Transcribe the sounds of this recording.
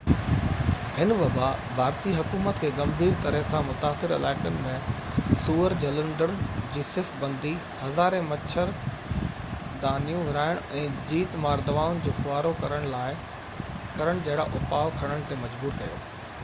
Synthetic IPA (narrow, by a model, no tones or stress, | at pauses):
hɪnʋɐbabʱaːɾt̪iɦʊkuːmət̪kʰeːɡɐ̃mbʱiːɾt̪ɐɾəɦsãmʊt̪aːsɪɾɪ̰laːɪkʊnɪ̆mẽ | suːəɾd͡ʑɐlə̃ɳɖəɽ̃d͡ʑiːsɪfbɐ̃nd̪i | hɐzaːɾẽmɐt͡ɕʰəɾ | d̪aːnijũʋɪɾaːɪɽ̃ɛ̃ːd͡ʑiːt̪maːɾd̪ɐʋaːʊnɪ̆d͡ʑoːxʊaːɾokɐɾəɽ̃laːɪ | kɐɾəɽ̃d͡ʑɐɦɪɽaʔʊpaːʊkʰɐɽ̃əɽ̃t̪emɐd͡ʑbuːɾkɐjo̰ː